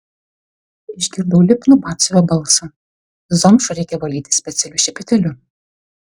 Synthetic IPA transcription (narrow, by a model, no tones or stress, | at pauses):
ɪʒʲɡʲɪɾd̪ɐwlʲɪpʲnʊbɑːt̪sʲʋʲoːbɐlˠsɐ | zɔmʃʊɾʲɛɪkʲɛʋɐlʲiːt̪ʲɪ̥sʲpʲɛt̪sʲɛlʲʊʃʲɛpʲɪt̪ʲɛlʲʊ